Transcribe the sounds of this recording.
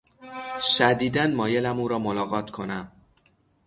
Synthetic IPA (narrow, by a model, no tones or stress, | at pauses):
ʃæd̪iːd̪ænmɒːjelæmuːɾɒːmolɒːɣɒːt̪ʰkʰo̞næm